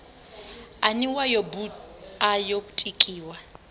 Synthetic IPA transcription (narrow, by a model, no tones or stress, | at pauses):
aniwajobuajokʼu̥tʼikʼiːwa